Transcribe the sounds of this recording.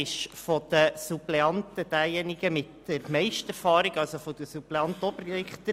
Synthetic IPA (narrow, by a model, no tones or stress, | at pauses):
ɪʃfɔd̪̥əsupleɑnt̪əd̥æːjɛniɡəmɪtː | ɛɾmɛɪʃtɛɾfɑːɾɪɡ̥ɑlsofɔd̥̪əsuplɛɑnt̪əɔbrɪχt̪ə